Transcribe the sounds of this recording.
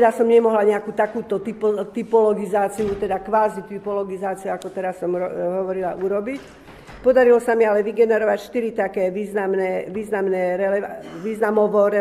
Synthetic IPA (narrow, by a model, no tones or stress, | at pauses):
d̪asɔmɲɛmɔɦlaɲɛakuːt̪akuːt̪ɔt̪ipɔt̪ipɔlɔɡizaːt͡siut̪ɛd̪akʋaːzit̪ipɔlɔɡizaːt͡siuakɔt̪ɛɾasɔmɦɔʋɔɾilaʔuɾɔbic | pɔd̪aɾilɔsamialɛʋiɡɛnɛɾɔʋacʃt̪iɾit̪akɛːʋiːznamnɛʋiːznamnɛɾɛlɛʋiːznamɔʋɔɾɛ